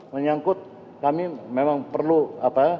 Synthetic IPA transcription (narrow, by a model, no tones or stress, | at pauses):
məɲaŋkʊt̪̚ | kamimemaŋpərluapa